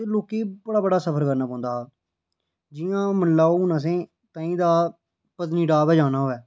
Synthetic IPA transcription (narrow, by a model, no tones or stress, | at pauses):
loːkiːbəɽaːbəɽaːsəpʰəɾkəɾnaːpɔ̃ːnd̪aː | d͡ʒɪãːmənlaːonãːs̬ẽː | t̪ãːĩːd̪aː | pəzniːɖaːbɛːd͡ʒãːnaːɦoːɛː